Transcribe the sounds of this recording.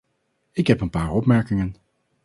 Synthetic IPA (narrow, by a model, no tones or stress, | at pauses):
ɪkɦɛpənpaːɹɔpmɛɹkɪŋən